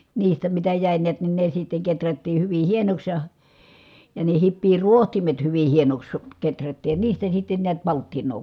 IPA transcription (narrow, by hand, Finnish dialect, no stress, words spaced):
niːstæ mitæ jæˑi niæt ni ne sitːeŋ ketrætːiː hyʋi hienoks jɑ jɑ ne hipːiː ruohtimet hyʋi hienoks ketrætːiːj jɑ niːstæ sitːen niæt pɑltːinˑoː